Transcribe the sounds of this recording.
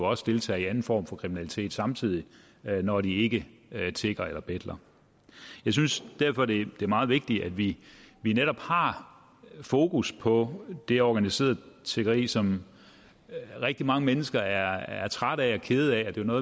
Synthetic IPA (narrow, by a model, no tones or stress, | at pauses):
oɒ̽sə̥d̥e̝lt͡sʰɛ̰ːiænn̩fɒ̰ːmfɒ̽kʰʁiminælit͡sʰe̝̰ːd̥sɑ̈mt͡sʰið̞̰ˠi | nɒɾ̥ie̝ɡ̥ət͡sʰe̝ɡ̥ɐelɐb̥ed̥lɐ | jɑ̈ɪs̬ynsd̥æɐfɒ̽d̥e̝d̥e̝æɐmɑ̈ːð̩ˠʋe̝ɡ̥̚d̥iæd̥ʋiʋineɾ̥ɒ̽b̥hɑ̈ | fo̝ːkuspʰɒ̽d̥e̝ɒɡ̥ænise̝̰ːɐð̩ˠt͡sʰeɡ̥ɐʁḭːsɒ̽m | ʁɛɡ̥̚d̥imɑ̈ŋəmenəsɡ̥ɐæɐæɐt͡sʰʁaɾ̥æɒ̽kʰe̝ð̞̩ˠæɒd̥e̝onɔ̽ːðˠ